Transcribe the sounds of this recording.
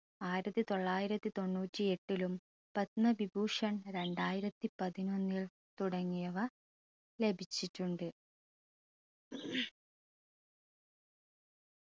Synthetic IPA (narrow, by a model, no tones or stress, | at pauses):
aːjiɾɐt̪ːit̪o̞ɭːaːjiɾɐt̪ːit̪o̞ɳːuːtʲːie̞ʈːilum | pɐt̪nɐbibuːʂɐɳɾe̞ɳɖaːjiɾɐt̪ːipɐðino̞nːiɭ | t̪uɽɐŋːijɐʋɐ | le̞bʱit͡ɕːiʈːuɳɖɨ